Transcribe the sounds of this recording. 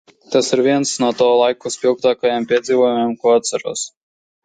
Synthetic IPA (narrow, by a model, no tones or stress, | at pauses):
t̪asiɾviɛnsnuɔt̪ɔːlˠajkuspʲilˠk̚t̪aːkajampʲiɛd̪ziːvɔjumʲemkuat̪saɾṵːs